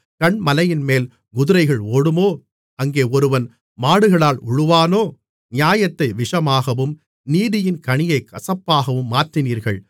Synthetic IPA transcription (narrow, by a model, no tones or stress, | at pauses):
kɐɳmɐlɐjɪnmeːl | ɡʊðʊɾɐɪɣɐɭoːɽɯmoː | ɐŋɡeːɔɾɯʋɐn | maːɽɯɣɐɭaːlʊɻɯʋaːnoː | nɪjaːjɐt̪ːɐɪʋɪʂɐmaːɣɐʋɯm | niːðɪjɪnkɐɳɪjɐɪkɐsɐpːaːɣɐʋɯmːaːɾt̪ːɪniːɾɣɐɭ